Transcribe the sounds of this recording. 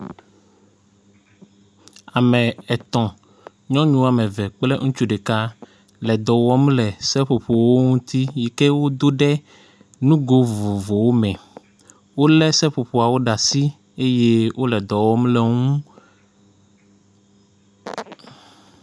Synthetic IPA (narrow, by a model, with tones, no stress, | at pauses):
a˨mɛ̃˨ɛ˨t̪ɔ̃˨ | ɲɔ̃˦ɲũ˦a˨mɛ̃˨vɛ˨k͡plɛ˦ŋũ˦t͡ʃu˦ɖe˨ka˦ | lɛ˨d̪ɔ˨wɔ˦mlɛ˨sɛ˦ɸo˨ɸo˨wo˦ŋũ˦t̪i˦ji˨ke˦wo˦d̪o˦ɖɛ˦ | nũ˦ɡo˦vo˨vo˨wo˦mɛ̃˨ | wo˦lɛ˦sɛ˦ɸo˨ɸo˨a˨wo˦ɖa˨si˦ | e˦je˦wʔo˦lɛ˨d̪ɔ˨wɔ˦mlɛ˨ŋũ˦